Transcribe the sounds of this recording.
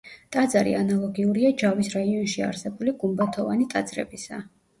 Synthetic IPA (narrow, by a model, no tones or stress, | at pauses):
t̪ʼad̪zaɾḭanalˠɔɡiuɾiad͡ʒavisɾaiɔnʃia̰ɾsɛbuliɡumbat̪ʰɔvanit̪ʼad̪z̥ɾɛ̰bisa